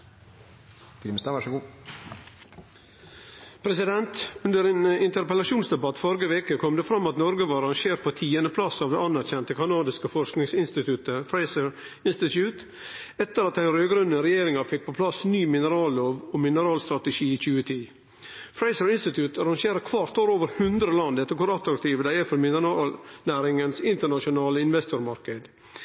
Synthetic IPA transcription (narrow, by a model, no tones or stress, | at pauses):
fɪmst̪ɑʋæʂəɡuː | pʰɾɛsɪd̪ɛnt̪ʉnd̪əɾenɪnt̪əɾpəlɑʃuːnsd̪ɛbɑt̪fɔɾɡəʋeːkəkʰɔmd̪eːfɾɑmːɑt̪nɔɾɡəʋɑːɾɑŋʃeːɾpʰot̪ʰiːənəpʰlɑsɑːʋd̪ɛːɑnːæɾçɛnt̪əkʰɑnɑːd̪ɪskəfɔʂknɪŋsɪnst̪ɪt̪ʰʉt̪əfɹæɪsəɹ | ɪnst̪ɪt̪ʰjʉːt̪ | ɛt̪ːəɾɑt̪ːæɪnɾøːɡɾʉnːəɾɛjeːɾɪŋɑfɪk̚ːpʰɔpʰlɑsnyːmɪnəɾɑːlːoːʋɔmɪnəɾɑːlst̪ɾɑt̪əʂiːiːc͡çʉːət̪ʰiː | fɾæɪsəɾɪnst̪ɪt̪ʰʉt̪ɑɾɑŋʃeːɾəkʰʋɑɾt̪oːɾoːʋəɾhʉnd̪ɾəlɑnd̪ɛt̪ːəkʊɾɑt̪ɾɑk̚t̪ʰiːʋəd̪æɪəfɔlmɪnənɑːlnæːɾɪŋənsɪnt̪əɳɑʂʊnɑːləɪnʋɛst̪ʊɾmɑɾkəd̪